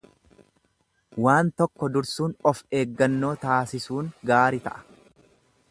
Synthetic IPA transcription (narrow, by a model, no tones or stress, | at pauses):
waːnt̪ɔkːɔd̪ʊɾsuːnɔfe̞ːɡːɐnːo̞ːt̪aːsɪsuːŋɡaːɾɪt̪ɐ̰ʔɐ̥